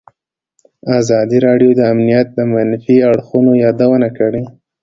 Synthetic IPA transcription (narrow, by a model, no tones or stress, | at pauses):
azɑd̪iɾɑɖjod̪əamnijat̪̚d̪əmanfiaɽxunojɑd̪awənakəɽe